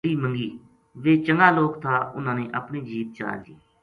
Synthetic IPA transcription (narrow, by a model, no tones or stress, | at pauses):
iːməŋɡiː | ʋeːt͡ʃəŋɡaːloːkt̪ʰaːʊnãːneːʔəpniːd͡ʒiːp̪̚t͡ʃa̰ːld̪iː